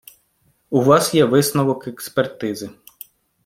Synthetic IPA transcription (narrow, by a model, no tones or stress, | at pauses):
uʋɑsjɛʋɪsnɔʋɔkekspert̪ɪzɪ